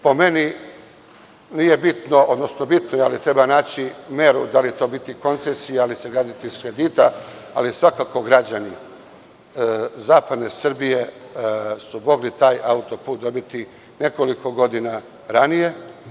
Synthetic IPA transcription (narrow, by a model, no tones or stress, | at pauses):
po̞me̞ni | nije̞bit̪no̞ʔod̪no̞sno̞bit̪nojalit̪ɾe̞banaːt͡ɕime̞ɾṵd̪alit̪o̞ːbit̪iko̞nt̪sesijaalise̞ɡɾaːd̪it̪iskɾe̞d̪iːt̪a̰ | a̰lisʋakako̞ɡɾad͡ʑani | zaːpad̪ne̞sr̩bije̞ | sumo̞ɡlit̪aːjaut̪o̞puːt̪̚d̪o̞bit̪i | ne̞ko̞liko̞ɡo̞d̪ina | ɾanije̞